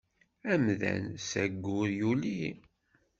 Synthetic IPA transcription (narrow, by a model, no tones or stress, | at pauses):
æmðæ̰nsæɡːʊðjuli